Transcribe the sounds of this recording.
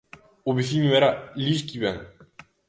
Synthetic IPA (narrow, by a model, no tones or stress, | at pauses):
ʊβeθiɲoɛɾaliskiβɛŋ